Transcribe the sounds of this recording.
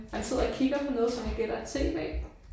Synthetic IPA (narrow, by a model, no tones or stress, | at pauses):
hænse̝ð̰ˠɐɒkʰiɡ̥ɐpʰɒ̽nɔ̽ːðˠsɒ̽mhænɡ̥ed̥ɐe̥t͡sʰe̝̰ːʋɛ̰ː